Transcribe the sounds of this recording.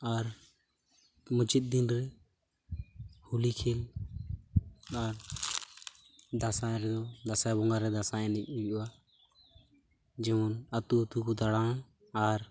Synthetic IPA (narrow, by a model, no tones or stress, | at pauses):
aɾ | mʊt͡ʃit̪̚d̪inɾɛ | hulikʰel | aɾ | d̪asãɾɛd̪ɔd̪asabɔŋɡaɾɛd̪asaɛ̃nɛkuʔua | d͡ʒɛɔnət̪uət̪ukud̪aɽaː | aɾ